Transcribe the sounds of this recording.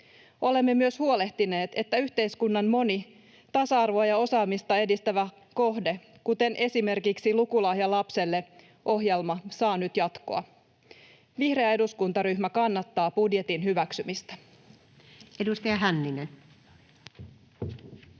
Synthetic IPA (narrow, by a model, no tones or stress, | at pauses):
o̞le̞mːe̞myøshuo̞le̞ht̪ine̞ːt̪e̞t̪ːæyçt̪e̞jskunːɑmmo̞ni | t̪ɑsɑɑrʋoɑjɑo̞sɑːmist̪ɑe̞dist̪æʋæ | ko̞ɦde̞ | kut̪e̞nʔe̞sime̞rkiksilukulɑhjɑlɑpse̞lːe | ʔo̞ɦje̞lmɑsɑːnyt̪jɑt̪ko̞̰ɑ̰ | ʋihre̞ɑe̞duskunt̪ɑɾyçmækɑnːɑt̪ːɑːb̥udje̞t̪inɦyʋæksymist̪æ̥ | edust̪ɑjɑɦænːinen